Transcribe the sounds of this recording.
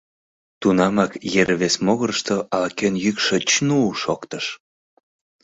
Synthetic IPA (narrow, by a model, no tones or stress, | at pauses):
t̪unɑmɑkjeɾβesmoɣəɾʃt̪oʔɑlɑkenjykʃət͡ɕnuʃokt̪əʃ